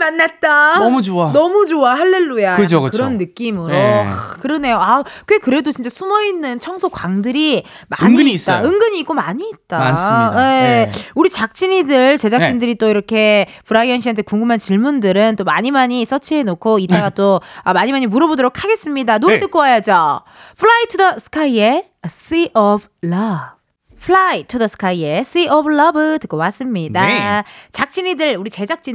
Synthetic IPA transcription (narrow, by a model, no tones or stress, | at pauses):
manːat̚t͈amt͡ɕoanʌmud͡ʑoahaɭːe̞ɭːujaɯokɯkɯɾʌnːɯk͈imɯɾo̰kɯɾʌne̞joakwe̞kɯɾe̞dot͡ɕint͡ɕ͈asʰumʌinːɯnt͡ɕʰʌŋsʰokwaŋdɯɾi | ma̰ɲŋiaɯŋɡɯɲiːk͈omaɲiːt̚t͈aeuɾit͡ɕak̚t͡ɕ͈iɲidɯɭt͡ɕe̞d͡ʑak̚t͡ɕ͈indɯɾit͈oiɾʌkʰe̞puɾaɡiʌnɕ̬ʰiɦantʰe̞kuŋɡumɦant͡ɕiɭmundɯɾɯnt͈omaɲimaɲis͈ʌt͡ɕʰiɦenokʰoit͈aɡat͈oamaɲimaɲimuɾʌbodoɾokʰaɡe̞s͈ɯmɲidanoet͈ɯk͈̚owajʌd͡ʑo | pʰuɭaitʰudʌsʰɯ̥kʰaie̞ | s͈iʔʌb | ɭʌb | pʰɭaitʰudʌsʰɯ̥kʰaie̞s͈iʔʌbɭʌbɯtɯk͈owas͈ɯmɲidat͡ɕak̚t͡ɕ͈iɲidɯɭuɾit͡ɕe̞d͡ʑak̚t͡ɕ͈i